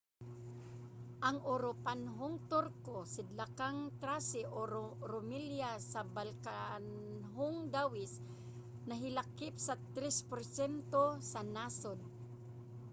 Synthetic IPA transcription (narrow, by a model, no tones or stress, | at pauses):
ʔaŋʊɾopanɦʊŋt̪ʊɾkosɪd̪lakaŋt̪ɾasɪʔoɾɾʊmɪljasabalkanɦʊŋd̪awɪs | naɦɪlakɪpsat̪ɾɛspʊɾsɛnt̪osanasod̪̚